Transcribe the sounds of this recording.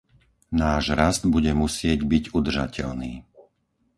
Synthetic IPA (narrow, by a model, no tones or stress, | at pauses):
naːʒɾazd̪buɟɛmusɪɛɟbiɟud̪r̩ʒa̰cʰɛ̰ʎniː